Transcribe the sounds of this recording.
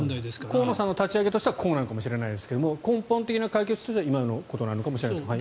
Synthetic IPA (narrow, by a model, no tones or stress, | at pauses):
nd̪aid̪eskkoːnosãnːo̞t̪at͡ɕiaɡe̞t̪o̞ɕi̥t̪eakʰo̞ːnanokamoɕiɾe̞naid̪e̞sɨ̥ke̞d̪omo̞kõmpõ̞nt̪e̞kʲinakaik̬et͡sɨ̥t̪oɕt̪eimanoko̞t̪o̞naɾɯnokamoɕiɾeneeai